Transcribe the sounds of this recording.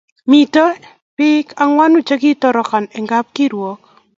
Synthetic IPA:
mi˨to˦ | pɪ˦ka˨ŋwa˦nu˦t͡ʃe˦ɡi˦tɔ˦ɾɔ˨ka˨nɛ˨ŋɡa˦p̚ki˦ɾwɔ˦k̚

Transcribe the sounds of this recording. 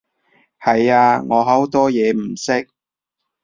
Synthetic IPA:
hɐ˨jaː˧ŋɔː˨˧ɦɐ˨˥wt̪ɔː˥jɛː˨˧m̩˨˩sɪ˥k̚

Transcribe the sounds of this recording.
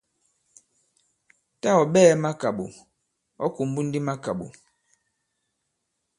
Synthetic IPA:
ta˦˨ɔ˨ɓɛː˦ma˦ka˨ɓṵ˨ | ɔ̰˦ku˨m˦bu˦n̩˦di˦ma˦ka˨ɓṵ˨

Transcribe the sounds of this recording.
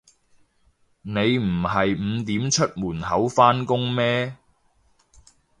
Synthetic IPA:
ne˨˧jm̩˨˩ɦɐ˨jm̩˨˧t̪iː˨˥mt͡ʃʰɵ˥t̚muː˨˩nhɐ˨˥wfaː˥nkʊ˥ŋmɛː˥

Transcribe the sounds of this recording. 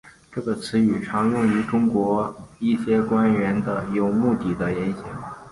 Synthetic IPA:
ʈ͡ʂɤ˥˩ɡə˩t͡sʰɹ̩˧˥y˨˩ʈ͡ʂʰɑ˧˥ŋjʊ˥˩ŋy˧˥ʈ͡ʂʊ˥ŋkwɔ˧˥i˥˩ɕjɛ˥kwa˥nɥɛ˧˥nd̪ə˧jo˨˩ʊmu˥˧t̪i˥˩d̪ə˦jɛ˧˥nɕjɑ˨˩˦ŋ

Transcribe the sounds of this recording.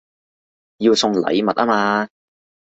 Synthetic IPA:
jiː˧wsʊ˧ŋlɐ̰˨˧jmɐ˨t̚aː˥maː˧

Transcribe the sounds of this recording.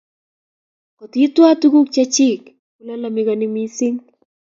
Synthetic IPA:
kɔ˨ti˨˦twa˦tu˦ɡu˦k̚t͡ʃa˦t͡ʃɪ˦˨k | ku˨la˦la˨mɪ˦kɔ˨nɪ˦mi˦sɪ˦ŋ

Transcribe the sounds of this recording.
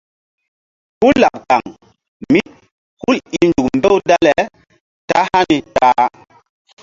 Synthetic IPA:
ku˦la˨p̚ka˨ŋ | mi˦t̚ | hu˦li˨lnd͡ʒu˨kmbe˦wda˦le˨ | ta˦ha˦ni˨ta˦

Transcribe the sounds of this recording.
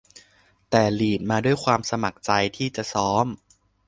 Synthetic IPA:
t̪ɛː˨˩liː˨˩t̪̚maː˧du˥˩əjkʰwaː˧msa˧ma˨˩k̚t͡ɕa˧jt̪ʰiː˥˩t͡ɕa˨˩sɔː˦˥m

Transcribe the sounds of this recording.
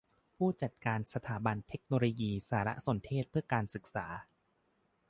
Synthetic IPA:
pʰuː˥˩t͡ɕa˨˩t̪̚kaː˧nsa˧t̪ʰaː˩˦ba˧nt̪ʰe˦˥k̚noː˧loː˧jiː˧saː˩˦ɾa̰˦˥so˨˩˦nt̪ʰeː˥˩t̪̚pʰɯ˥˩ɐkaː˧nsɯ˨˩k̚sa̰ː˩˦

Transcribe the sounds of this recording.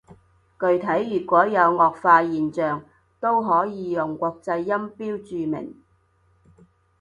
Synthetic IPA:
kɵ˧ɥt̪ʰɐ˨˥jːyː˨˩kʷɔː˨˥jɐ˨˧wŋɔː˨k̚faː˧jiː˨nt͡ʃœː˨ŋ | t̪o˥wɦɔː˨˥jiː˨˧jʊ˨˩ŋkʷɔː˧k̚t͡sɐ˧jːɐ˥mpiː˥wt͡ʃyː˨˧mɪ̰˨˩ŋ

